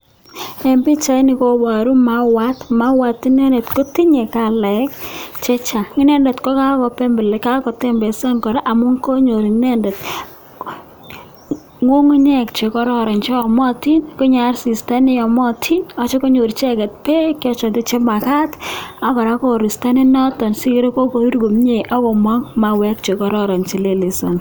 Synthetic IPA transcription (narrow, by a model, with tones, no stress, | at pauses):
ɛ˨mbi˦t͡ʃa˦jnɪ˨ko˦ba˨ɾu˦ma˨wa˦tma˦wa˨tːi˦ne˦ndɛ˨tko˦ti˦ɲe˨ka˨lɛ˨˦kt͡ʃe˦t͡ʃa˨ŋɪ˦nɛ˦ndɛ˨tkɔ˦ka˦kɔ˨pɛ˦mbɛ˨lka˦kɔ˨tɛ˦mbɛ˨sa˦ŋkɔ˨ɾe˦ʔa˨mo˦ŋko˦ɲo˨ɾi˨ŋ˦nɛ˦ndɛ˨t | ŋwo˦ŋu˦ɲɛ˦kt͡ʃe˨kɔ˦ɾɔ˦ɾɔ˨nt͡ʃe˦ɔ˨mɔ˦ti˦nko˦ɲa˨rsi˨sta˦nɪ˦ɔ˨mɔ˦tʰi˦nɔ˦t͡ʃɔ˦ko˦ɲo˨ɾi˨t͡ʃɛ˦kɛ˨t̚pe˦kjɔ˦t͡ʃɔ˨nde˦t͡ʃe˦ma˨ka˦ta˦kɔ˨ɾa˦ko˦˨ɾi˨sta˦ni˦nɔ˦tɔ˨nsi˦kɾe˦ko˦ko˨i˦ɾɡo˨mɲe˨ʔɔ˦kɔ˨mwa˦ŋma˨wɛ˨k̚t͡ʃe˨kɔ˦ɾɔ˦ɾɔ˨nt͡ʃi˨le˦le˨sɔ˨n